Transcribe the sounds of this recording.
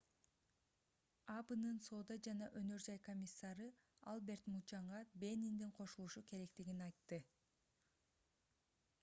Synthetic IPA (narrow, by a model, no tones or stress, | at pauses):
ɑbɯnɯnso̞ːd̪ɑd͡ʒɑnɑʔønø̞ɾd͡ʒɑjko̞mʲisːɑɾɯ | ɑ̰lˠbe̞ɾt̪mut͡ʃɑɴʁɑbʲe̞nind̪iɴqʰo̞ʃulˠuʃuke̞ɾe̞k̚t̪iɡinɑjt̪ːɯ